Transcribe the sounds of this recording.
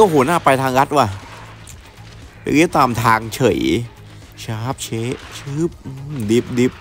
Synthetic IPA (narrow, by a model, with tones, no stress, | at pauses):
a˧˩ɦuː˩˦naː˥˩pa˧jt̪ʰaː˧ŋɾa˦˥t̪̚waː˧˩ | pa̰˧ki˦˥˩t̪aː˧mt̪ʰaː˧ŋt͡ɕʰɤ˨˩˦j | t͡ɕʰaː˦˥p̚t͡ɕʰeː˦˥ʔt͡ɕʰɯː˦˥˩p̚ʔɯ˧˩mdi˧˩p̚di˧˩p̚